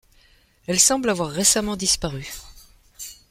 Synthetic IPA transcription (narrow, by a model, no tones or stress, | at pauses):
ɛlsɑ̃blavwaʁːesamɑ̃d̪ispaʁy